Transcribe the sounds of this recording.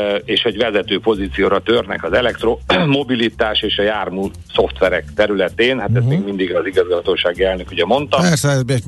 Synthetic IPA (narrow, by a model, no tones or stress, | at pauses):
eːʃhoɟʋɛzɛt̪øːpo̞ziːt̪sijoːɾɒt̪ørnɛ̰kɒzɛlɛkt̪romo̞bilit̪aːʃeːʃɒjaːrmu | so̞ft̪ʋɛɾɛkt̪ɛɾylɛt̪eːnhat̪ɛst̪meːɡmind̪iɡɒziɡɒzɡɒt̪oːʃaːɡiɛlnøkhuɟɛmo̞nt̪ɒɛɾsɛɛzbe